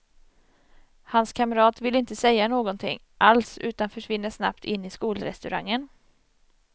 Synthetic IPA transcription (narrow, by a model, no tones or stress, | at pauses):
hanskʰamɾɑːt̪vɪlɪnt̪əsɛjːanoːɡɔnt̪ʰɪ̰ŋː | ʔalsʉ̟ːt̪anfœʂvɪnːəʂna̰pt̪ʰɪnːɪskuːlɾɛ̰st̪ɵɾa̰ŋːən